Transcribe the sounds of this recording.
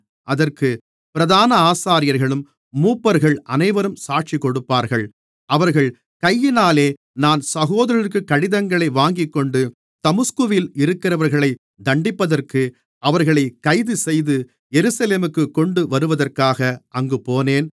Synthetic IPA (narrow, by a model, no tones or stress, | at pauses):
ʔɐðɐrkɯ | pɪɾɐðaːnɐaːsaːɾɪjɐɾɣɐɭɯmː | uːpːɐɾɣɐɭʔɐnɐɪʋɐɾɯmsaːʈ̚t͡ʃikːɔɽɯpːaːɾɣɐɭ | ʔɐʋɐɾɣɐɭ | kɐjːɪnaːleː | naːnsɐɣoːðɐɾɪrkɯkːɐɽɪðɐŋɡɐɭɐɪʋaːŋɡɪkːɔɳɖɯ | t̪ɐmɯskɯʋɪlɪɾɯkːɪɾɐʋɐɾɣɐɭɐɪ | d̪ɐɳɖɪpːɐðɐrkɯ | ɐʋɐɾɣɐɭɐɪkɐɪðɯsɛjðɯ | jɛɾɯsɐleːmɯkːɯkːɔɳɖɯʋɐɾɯʋɐðɐrkaːɣɐʔɐŋɡɯpoːneːn